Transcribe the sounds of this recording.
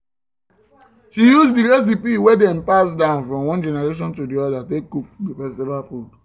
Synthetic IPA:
ʃijuzdiɹɛs̬ipiwedɛ̃mpasdãʊ̃nfɹɔ̃mwɔ̃nd͡ʒɛnɛɹeʃ̬ɔ̃ntudiɔdatekːuk̚difɛstivalfud

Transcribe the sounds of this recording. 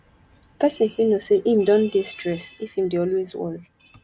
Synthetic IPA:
pʰɛsɔ̃nhinoseʔimdɔ̃ndistɹɛsifĩmdeɔlwezwɛ̰ɹi

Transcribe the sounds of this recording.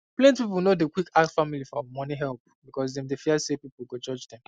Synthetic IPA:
plɛ̃ntpipulnodekwikʰaksfamilifɔawamɔniɦɛlˠp̚bikɔs̬dɛ̃mdefiasepipul̩ɡod͡ʒɔd͡ʒdɛ̃m

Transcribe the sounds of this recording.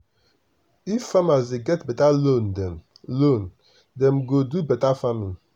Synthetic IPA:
ifːamazdeɡɛtbɛtalondɛm | lon | dɛ̃mɡodubɛtafamili

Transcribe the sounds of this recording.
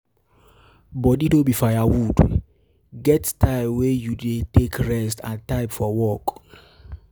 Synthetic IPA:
bɔditobifajawud | ɡɛttaɪbwejudetekɹɛstã̰ntaɪbfɔwɔk

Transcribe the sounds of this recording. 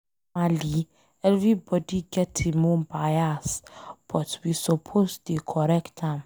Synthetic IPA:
ali | ɛlvibɔdiɡɛtʰimõmbajasb̥ɔtwisɔpʰostikʰɔɾɛktãm

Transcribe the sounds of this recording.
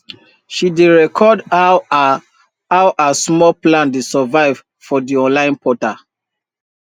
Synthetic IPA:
ʃideɹɛkʰɔda | awʔasmɔlplãndesavaɪv̥ | fɔdiɔ̃nlãɪ̃npʰɔta

